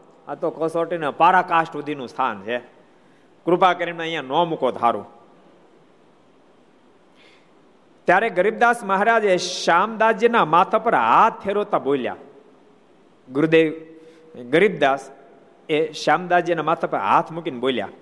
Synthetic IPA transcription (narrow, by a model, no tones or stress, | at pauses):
at̪okosoːʈinəpaːɾakaːʂʈud̪ʱinũːst̪ʰa̰ːnt͡ʃʰe | kɾupaːkəɾiɳmãjãnɔːmukoːt̪ɦaːɾṵ̃ː | t̪jaːɾeɡəɾib̚d̪aːsmɐɦaɾaːd͡ʒeʃaːmd̪aːd͡ʒjənamaːt̪ʰəpəɾɦaːt̪̚ʰpʰeɾoːt̪abolja̰ː | ɡuɾud̪eʋ | ɡəɾib̚d̪aːs | eʃaːmd̪aːd͡ʒjənamaːt̪ʰəpəɾɦa̰ːt̪ʰmukinboːlja̰